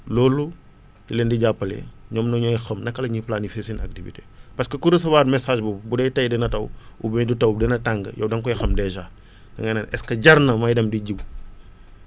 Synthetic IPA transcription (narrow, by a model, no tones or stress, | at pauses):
lɔːlu | dilɛndiɟapːɐlɛ̰ɲɔːmnɐɲɔjxɐmnɐkːɐlɐɲiplanifesinɐ̰k̚tivḭtepɐskɐkuɾəs̬ɐwaːdmɛsaːʒbubudɛjtɐjdɛnɐtɐwubɛɲdutɐwdɛnɐtaŋɡə̰jɐ̰wdɐŋkɔjixɐmdɛʒa | dɐŋɐnɐnʔɛskɐɟɐrnɐmɐjdɐmdiɟiw